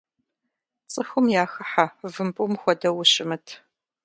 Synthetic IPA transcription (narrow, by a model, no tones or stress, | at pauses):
t͡sʼɨxʊmjaːxɨħavɨmpʼʊmxʷɔdɐwʊɕɪmɨtʰ